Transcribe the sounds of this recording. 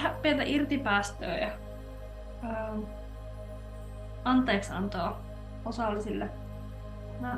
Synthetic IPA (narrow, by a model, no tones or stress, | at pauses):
æpielt̪æʔirt̪ipæːst̪ø̰ːjɑ | əː | ɑnt̪ˑeːksɑ̰nt̪oː | osɑlːisilːe | nɑ